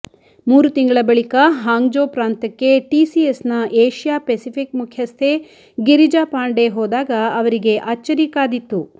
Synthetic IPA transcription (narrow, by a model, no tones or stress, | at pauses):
muːɾut̪iŋɡɐɭɐbɐɭikɐɦaːŋd͡ʒoːpɾaːnt̪ɐkːe̞ʈiːsiesnɐʔeːʃijaːpesipʰikmukʰjɐst̪ʰe̞ | ɡiɾid͡ʒaːpaːɳɖe̞ɦoːd̪aːɡɐɐʋɐɾiɡe̞ʔaːt͡ʃːɐɾiːkaːd̪it̪ːu